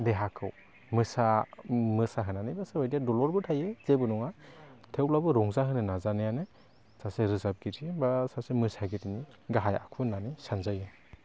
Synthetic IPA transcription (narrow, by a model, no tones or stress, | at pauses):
deɦakʰɯw | mɯsamɯsaɦɯnanɯjbaseɔjdijadɔlɔɾbɯtʰajez̥ebɯnɔŋatʰewlabɯɾɔŋzaɦɯnɯnazanɯjanɯ | saseɾɯzap̚ɡiɾiebasasemɯsaɡitini | ɡaɦaja̰kʰunanɯjsanzaja